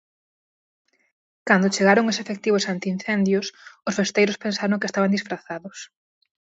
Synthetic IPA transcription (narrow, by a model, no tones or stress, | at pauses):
kand̪ot͡ʃeɣaɾoŋosefek̚t̪iβʊsant̪ɪin̟θɛnd̪jʊsʊsfest̪ejɾʊspensaɾõŋkest̪aβand̪isfɾaθaðʊs